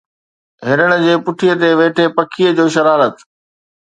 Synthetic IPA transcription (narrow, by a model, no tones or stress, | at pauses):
ɦɪɾəɽ̃ʊ̆d͡ʑeːpʊʈʰijət̪eʋeːʈʰepɐkʰijəd͡ʑoːʃɐɾaːɾət̪